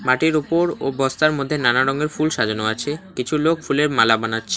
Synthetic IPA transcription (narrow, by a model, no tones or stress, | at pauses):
maʈiɾupoɾobɔst̪aɾmod̪ʱːenanaɾɔŋeɾfulʃad͡ʑonoat͡ɕʰekit͡ɕʰulokfuleɾmalabanatːɕʰe